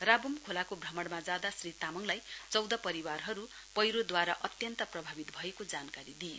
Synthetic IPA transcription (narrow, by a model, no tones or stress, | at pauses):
rabumkʰolakobrʱʌmʌɽmad͡zad̪asrit̪amʌŋlajt͡sʌwd̪ʌpʌɾiwarɦʌɾu | pʌjɾod̪waɾaʔʌt̪jʌnt̪ʌprʌbʱabit̪bʱʌekod͡zankaɾid̪ije